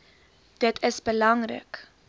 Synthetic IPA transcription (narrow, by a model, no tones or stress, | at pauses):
d̥ətʰəsbəlɐŋrə̰k